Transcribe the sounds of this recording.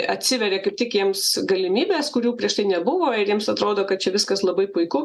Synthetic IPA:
ɐtʲsʲɪʋʲɛɾʲeːkɐɪp̚tʲɪkjiɛmsɡɐlʲɪmʲiːbʲeːskʊɾʲuːpʲɾʲiɛʃt̪ɐɪnʲɛbʊʋoːɪɾjiɛmsɐt̪ɾoːd̪oːkɐt̪̚t͡ʃʲɛʋʲɪskɐslˠɐbɐɪpʊɪkʊ

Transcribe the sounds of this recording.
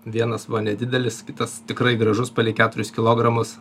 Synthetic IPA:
ʋʲiɛnɐsbʊɐnʲɛd̪ʲɪd̪ʲɛlʲɪskʲɪt̪ɐst̪ʲɪkɾɐɪɡɾɐʒʊspɐlʲɪkʲæːt̪ʊɾʲʊskʲɪlˠoːɡɾɐmʊs

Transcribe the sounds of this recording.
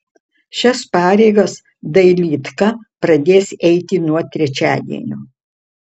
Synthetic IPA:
ʃʲɛspɑːɾʲɛɪɡɐs | d̪ɐɪlʲiːt̪kɐpɾɐd̪ʲeːsɛɪt̪ʲɪnuɔt̪ʲɾʲɛt͡ʃʲæːd̪ʲḭɛ̰nʲuː

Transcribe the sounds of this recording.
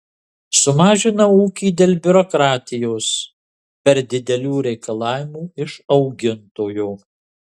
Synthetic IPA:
sʊmɑːʒʲɪnɐuːkʲiːd̪ʲeːlʲbʲʊɾɔkɾɑːt̪ʲɪjoːs | pʲɛɾd̪ʲɪd̪ʲɛlʲuːɾʲɛɪkɐlˠɑːʋʲɪmuːɪʃɒʊɡʲɪnt̪oːjoː

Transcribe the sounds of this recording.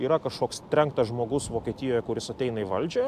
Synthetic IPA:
iːɾɐkɐʃkoːkst̪ʲɾʲɛŋkt̪ɐsʒmoːɡʊsʋoːkʲɛːt̪ʲɪjoːjɛkʊɾʲɪsɐt̪ʲɛɪnɐiʋɐlʲd͡ʒʲoː

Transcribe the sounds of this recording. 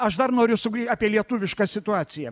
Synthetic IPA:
ɐʃd̪ɐrnoːɾʲʊsʊɡɾʲiːtʲaːpʲiɛlʲiɛt̪uːʋʲɪʃkɑsʲɪt̪ʊɑːt̪sʲɪjɛ

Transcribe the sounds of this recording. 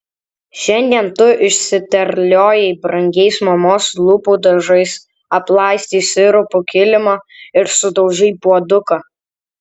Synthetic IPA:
ʃʲɛnʲd̪ʲiɛnt̪ʊʔɪʃʲsʲɪt̪ʲɛɾʲlʲoːjɛɪbɾɐŋʲɡʲɛɪsmɐmoːslˠuːpuːd̪ɐʒɐɪs | ɐplˠɑˑɪsʲt̪ʲiːsʲɪɾʊpʊkʲɪlʲɪmoɪɾsʊd̪ɐʊʒʲɛɪpuɔd̪ʊkɐ

